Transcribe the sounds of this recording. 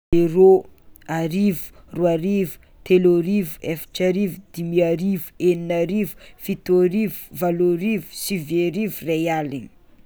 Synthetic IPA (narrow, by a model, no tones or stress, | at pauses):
eroaɾivu̥ruaɾivu̥ | t̪eloɾivuefi̥ʈ͡ʂaɾivud̪̥imiaɾivueninaɾivu̥fit̪oɾivu̥valoɾivu̥siveɾivurealini̥